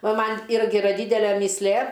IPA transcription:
ˈʋɐ ˈmɐnʲ ˈɪrʲɡʲɪ ɪˈrɐ ˈdʲiːdʲɛlʲɛ mʲiːsʲˈlʲeː

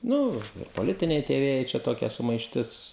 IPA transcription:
ˈnʊ ɪr poːˈlʲɪtʲɪnʲɛɪ tʲiɛ ˈʋʲeːjɛɪ t͡ʃʲɛ ˈtoːkʲɛ sʊmɐɪʃʲˈtʲɪs

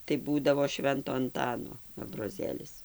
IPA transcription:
tɐɪ ˈbuːdɐʋoː ˈʃʲʋʲɛntoː ɐnˈtɑːnoː ɐbroːˈzʲeːlʲɪs

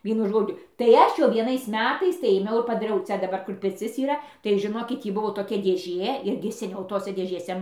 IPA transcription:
ˈʋʲiɛnʊ ˈʒoːd͡ʒʲʊ tɐɪ ˈɐʃ jɛʊ ʋʲiɛˈnɐɪs ˈmʲæːtɐɪs tɐɪ eːˈmʲɛʊ ɪr pɐdɐˈrʲɛʊ ˈt͡sʲɛ dɐˈbɐr ˈkʊr pʲɪrʲˈt͡sʲɪs iːˈrɐ tɐɪ ʒʲɪˈnoːkʲɪt ˈtʲiː ˈbʊʋoː toːˈkʲɛ dʲeːˈʒʲeː ˈɪrʲɡʲɪ sʲɛˈnʲɛʊ ˈtoːsʲɛ dʲeːʒʲeːˈsʲɛ

